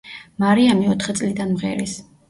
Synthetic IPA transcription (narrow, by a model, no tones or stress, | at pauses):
maɾiamiɔt̪ʰχɛt̪sʼlid̪anmʁɛ̰ɾis